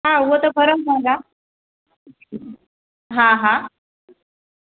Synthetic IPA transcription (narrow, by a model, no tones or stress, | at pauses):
ɦãət̪əpʰəɾəmsãŋɡa | ɦãɦã